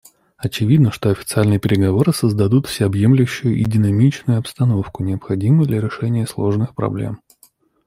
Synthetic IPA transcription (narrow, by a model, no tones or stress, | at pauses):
ɐt͡ɕɪvʲid̪nəʂt̪oɐfʲɪ̥t̪sɨalʲnɨjpʲɪɾʲɪɡɐvo̞ɾɨsəzd̪ɐd̪ut̪fsʲɪɐbje̞mlʲʊɕːʊjʊʔɪdʲɪnɐmʲit͡ɕnʊjʊɐpst̪ɐno̞fkʊnʲɪəpxɐdʲimʊjd̪lʲɐɾʲɪʂɛnʲɪjəslˠo̞ʐnɨxpɾɐ̰blʲḛm